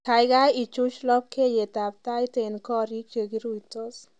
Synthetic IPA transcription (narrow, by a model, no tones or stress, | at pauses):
kʰajɡait͡ʃut͡ʃlɔp̚kʰejet̪ap̚t̪ajt̪enkɔɾikt͡ʃəɡiɾujt̪ɔs